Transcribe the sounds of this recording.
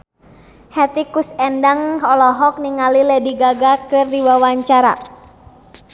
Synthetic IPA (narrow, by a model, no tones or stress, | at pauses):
hɛt̪ikusɛndaŋɔlɔɦɔk̚niŋalilɛdiɡaɡakɨrdiwawaɲt͡ʃaɾa̰